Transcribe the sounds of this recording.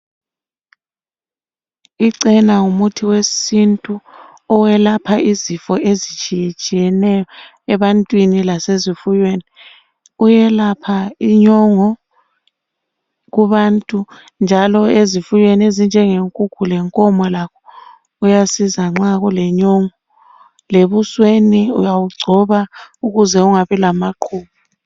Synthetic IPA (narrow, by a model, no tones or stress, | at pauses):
iǀɛnaŋumutʰiwesintʼu | ɔwɛlapʰaizifɔʔezit͡ʃʼijɛt͡ʃʼijɛnɛjɔ | ɛβantʼwinilasezifujweni | ujɛlapʰaiɲɔŋɔ | ɣuβantʼu | nd͡ʒʱalɔezifujweniezind͡ʒʱɛŋeŋkʼukʰulɛŋkʼɔmɔlakʰɔ | ujasizaŋ͡ǁaɣulɛɲɔŋɔ | leβusweniujawuɡ͡ǀʱɔβauɣuzɛuŋaβilamaǃʰuːβu